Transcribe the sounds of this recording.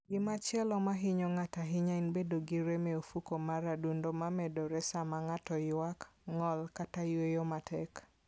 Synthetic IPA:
ɡɪmat͡ʃɪɛlɔmaɦɪɲɔŋataɦɪɲaɪnbedoɡɪɾemɛofukomaɾadundomamɛdoɾɛsamaŋatɔjwakŋɔlkatajwejomatʰɛk

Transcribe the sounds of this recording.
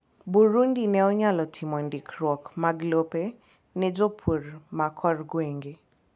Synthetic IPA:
buɾundinɛɔɲalɔtʰɪmɔndikɾwɔkmaɡlope | nɛd͡ʒopʰurmakʰɔrɡweŋɡe

